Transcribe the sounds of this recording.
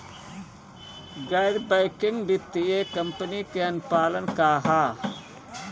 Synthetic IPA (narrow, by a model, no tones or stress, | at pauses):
ɡaːjd̪bɐjkɪŋɡbɪt̪ːiekɐmpənikeɐnpaːlənkaːɦaː